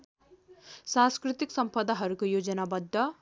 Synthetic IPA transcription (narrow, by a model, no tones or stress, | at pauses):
sãnskɾit̪iksʌmpʌd̪aɦʌɾukojod͡zʌnabʌd̪ʱːʌ